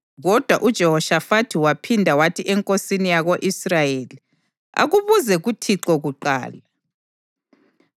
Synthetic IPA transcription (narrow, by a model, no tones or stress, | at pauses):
ɣɔd̥ʱwaʔud̥ʒ̥ʱɛhɔʃafatʰiwapʰindʱawatʰiʔɛŋkʼosinijaɣoʔisrajeːli | a̰ɣuβuzɛɣutʰiǁɔɣuǃa̰ːla